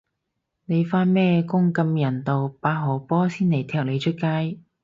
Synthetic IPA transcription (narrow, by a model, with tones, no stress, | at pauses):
ne˨˧jfaː˧˥nmɛː˥kʊ˥ŋkɐ˧mjɐ˨˩nt̪o˨wpaː˨˧ɦoː˨˩pɔː˥siː˥nne˨˩jt̪ʰɛː˧˥k̚le˨˧jt͡ʃʰɵ˥t̚kaː˥j